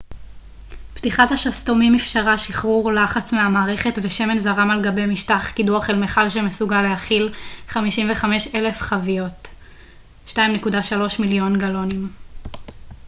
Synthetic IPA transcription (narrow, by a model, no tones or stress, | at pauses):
ptiχathaʃasto̞mimifʃaʁaʃiχʁuʁlaχat͡smeamaːʁeχe̞tveʃe̞me̞nzaʁamalɡabe̞jmiʃtaχkiduaχelmeχalʃemesuɡaleaχilχamiʃimve̞χame̞ʃe̞le̞fχavijo̞t | ʃtajimnekudaʃalo̞ʃmiljo̞nɡalo̞nim